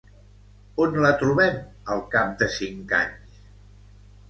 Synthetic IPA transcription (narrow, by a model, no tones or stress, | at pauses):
onlat̪ɾuβɛm | əlˠkap̚d̪əsiŋka̰ɲs